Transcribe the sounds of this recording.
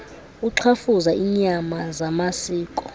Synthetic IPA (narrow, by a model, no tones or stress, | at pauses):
uǁʰafuzaiɲamazamasiːkʼɔ